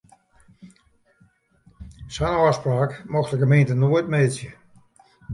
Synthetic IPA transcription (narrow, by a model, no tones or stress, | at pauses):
sɔnɔspraːkmɔxtəɡəmeːntənoətmeːsjə